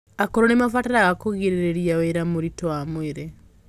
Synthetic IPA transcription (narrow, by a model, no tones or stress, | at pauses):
akoɾonemafataɾaɣakoɣiɾeɾeɾiaweɾamoɾitowamweɾe